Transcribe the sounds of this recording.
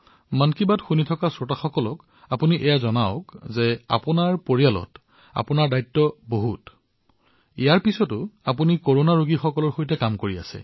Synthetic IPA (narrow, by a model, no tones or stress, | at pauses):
mankibatxunitʰɔkasotaxɔkɔlɔk | apuniʔɛjazɔnaʊkzɛa̰pʊnaɹpoɹijalɔ̰t | a̰pʊnaɹdajtːɔboɦut | ḭjaɹpisɔtʊapunikoɹonaɹoɡixɔkɔlɔɹxojtɛkamkoɹia̰sɛ̰